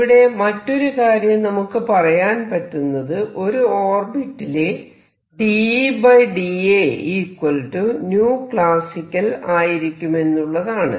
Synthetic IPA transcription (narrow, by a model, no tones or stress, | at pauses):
iɽe̞mɐtːo̞ɾukaːɾjɐmnɐmukːɨpɐrɐjaːnpɐtːunːɐðɨʔo̞ɾuoːrbiʈːile | ɖibɐjɖieiːkwɐlʈunjuːkɭaːsikʲːɐlaːjiɾikʲːume̞nːuɭːɐðaːɳɨ̰